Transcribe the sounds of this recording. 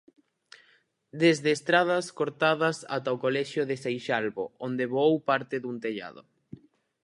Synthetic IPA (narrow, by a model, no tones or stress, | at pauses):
d̪ezðeːst̪ɾað̞ɐskoɾt̪aðɐsa̰t̪aokolɛʃjoðesejʃalβo̰ond̪eβowpaɾt̪ɪðunt̪eʎa̰ðo̰